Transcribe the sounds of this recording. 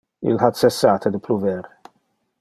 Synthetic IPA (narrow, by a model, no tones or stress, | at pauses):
ɪ̰lħɐt̪sɛsːaːt̪ʰɐd̪ɪpʰluvɛɾ